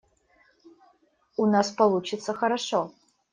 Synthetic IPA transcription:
unaspɐlˠut͡ʃɪt̪səxɐɾaʂɔ

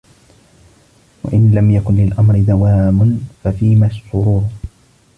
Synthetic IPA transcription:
wa̰ʔɪnlamjakʊnlɪlʔamɾɪd̪awaːmʊnfafiːmaʃt̪ʊɾuːɾ

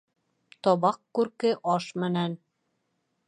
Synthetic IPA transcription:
t̪ɒβɑqːʉɾkɘʔɒʃmɘ̆næn

